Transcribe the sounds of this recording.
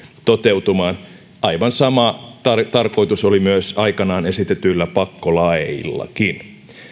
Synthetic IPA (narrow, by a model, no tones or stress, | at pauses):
t̪ot̪eut̪umɑːn | ʔɑiʋɑnsɑmɑt̪ɑrt̪ɑrkoit̪usolimyøsɑikɑnɑːnesit̪et̪yilːæpɑkːolɑḭlːɑ̰kin